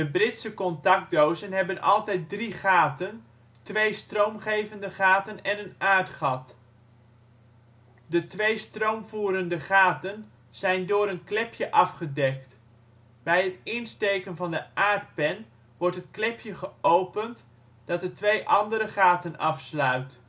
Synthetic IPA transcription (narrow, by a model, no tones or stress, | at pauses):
dəbrɪtsəkɔntɑk̚dowzənɦɛbənʔɑ̰lˠtɛjt̚driχaːtən | tʋejstrowmχejvəndəχaːtənɛnənaːrtχɑt | dətʋejstrowmvuːɾəndəχaːtən | z̥ɛjndʊːɾənklɪpjəʔɑfχədɛk̚t | bɛjɦətɪnstejkənvɑndəʔaːrt̚pɛn | ʋɔɹtɦətklɪpjəχəʔowpənt | d̥ɑt̚dətʋejʔɑndəɾəχaːtənɑfslœɥt